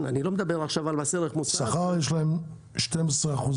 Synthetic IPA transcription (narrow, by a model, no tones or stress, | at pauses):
nanilomed̪abeʁaχʃavalbaseʁeχmussaχaʁjeʃlaem | ʃtɛmɛsʁeaχuz